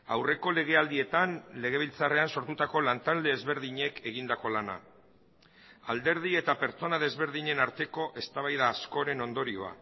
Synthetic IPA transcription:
awre̞ko̞le̞ɣ̞e̞ald̪ie̞t̪anle̞ɣ̞e̞β̞ilt͡sare̞anso̞ɾt̪ut̪ako̞lant̪ald̪e̞ːzβe̞ɾðiɲe̞kʰe̞ɣ̞ind̪ako̞lana̰ | ald̪e̞ɾð̞ie̞t̪ape̞ɾt͡so̞naðe̞zβe̞ɾðiɲe̞naɾt̪e̞ko̞ʔe̞st̪aβ̞ajðaːsko̞ɾe̞no̞nd̪o̞ɾio̞a̰

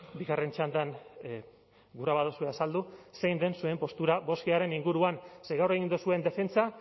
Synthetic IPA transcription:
biɣare̞nt͡ʃand̪an | ɡuɾaβaðusue̞asald̪use̞jnd̪e̞nsue̞mpo̞st̪uɾaβo̞skiaɾe̞niŋɡuɾuanse̞jɣawreɣind̪usue̞nd̪e̞fe̞nt͡sa

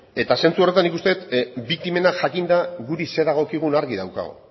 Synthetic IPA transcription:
e̞t̪ase̞nt͡suo̞re̞t̪anːikust̪e̞t̪bik̚t̪ime̞naʝakind̪aɣuɾise̞ðaɣ̞o̞kiɣ̞unaɾɣiða̰wka̰ɣ̞o̰

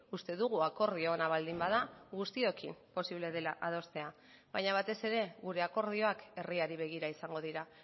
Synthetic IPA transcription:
ust̪e̞ðuɣ̞uako̞ɾð̞io̞ːnaβ̞ald̪imbaðaɣust̪io̞kimpo̞siβleðe̞laʔað̞o̞st̪e̞a | βajɲaβ̞at̪e̞se̞ɾe̞ɣuɾe̞ako̞ɾð̞io̞ake̞riaɾiβ̞e̞ɣ̞iɾaisaŋɡo̞ð̞iɾa

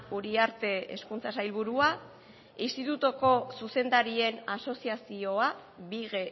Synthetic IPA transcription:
uɾiaɾt̪e̞ḛskunt͡sasajlβuɾua | inst̪it̪ut̪uko̞suse̞nd̪aɾie̞naso̞siasio̞aβiɣe

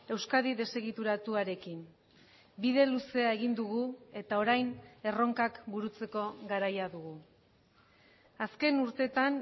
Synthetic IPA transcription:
e̞wskaðiðe̞se̞ɣit̪uɾat̪uaɾe̞kin | bið̞e̞luse̞ae̞ɣind̪uɣue̞t̪ao̞ɾajne̞ro̞ŋkakbuɾut͡se̞ko̞ɣaɾajaðuɣu | aske̞nuɾt̪e̞t̪an

